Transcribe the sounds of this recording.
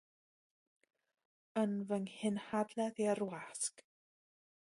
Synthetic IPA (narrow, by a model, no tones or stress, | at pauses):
ənvəŋhɪnhadlɛðiərwask